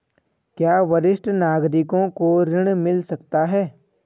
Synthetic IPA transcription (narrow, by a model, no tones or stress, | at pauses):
kjaːʋɐɾɪʃʈʰənaːɡɾɪkõkoɾɪɽ̃mɪlsɐkt̪aɦɛː